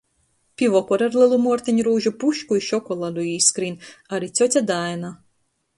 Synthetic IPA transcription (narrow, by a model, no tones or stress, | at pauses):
pʲivɔkɔɾaɾlʲˠɨlˠumuɔɾt̪iɲʲɾuːʒupuʃkuiʃɔkɔlˠalʲuiːskɾinʲaɾit̪sʲɔsʲad̪ajna